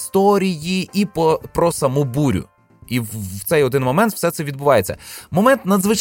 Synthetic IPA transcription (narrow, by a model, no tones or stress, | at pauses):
st̪ɔɾʲijiipɔpɾɔsɐmɔbuɾʲʊ̰ | iwt̪ɛjɔd̪ɪnmɔmɛnt̪wsɛt̪sɛʋʲid̪̚bʊʋɑjet͡sʲːɐ̰mɔmɛnt̪nɐd̪zʋɪt͡ʃ